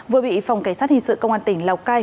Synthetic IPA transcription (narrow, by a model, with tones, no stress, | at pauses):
vɨ˨˩əɓḭ˧˨fwŋ͡mka˧˩jsaː˦˥t̚hï˧˩ŋsɨ̰˧˨kə˧wŋ͡mʔaː˧nt̪ï˧˩˦ŋ̟la˨˩kaː˧